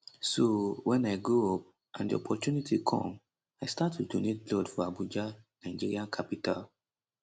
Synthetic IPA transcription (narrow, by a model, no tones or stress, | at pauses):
sowɛ̃naɪɡoɔp̚ | ʔãndḭɔ̰pʰɔtjunitʰikʰɔ̰̃m | aɪstatʰːudonet̚blɔdfɔabud͡ʒanaɪd͡ʒiɹiãkʰapitʰal